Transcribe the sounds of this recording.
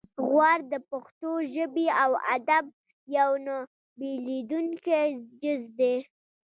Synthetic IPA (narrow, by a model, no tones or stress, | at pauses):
ɣwaɾd̪əpaxt̪oʒəbiawa̰d̪ab̚ | jawna | belid̪uŋked͡ʒɪzd̪e